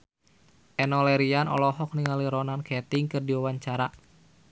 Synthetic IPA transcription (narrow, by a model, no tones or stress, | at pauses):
ʔɛnɔlɛɾianɔ̰lɔɦɔk̚niŋaliɾɔnankɛt̪iŋkɨrdiwawaɲt͡ʃaɾa